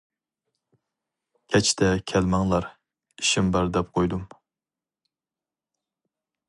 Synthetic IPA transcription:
kʲʰɛt͡ʃʰt̪ʰɛkʲʰɛlmɑŋlˠɑɾ | iʃimbɑɾd̪ɛp̚qʰojd̪um

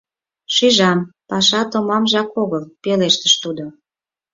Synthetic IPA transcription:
ʃyʒɑmpɑʃɑt̪omɑmʒɑkoɣəlpeleʃt̪əʃt̪ud̪o

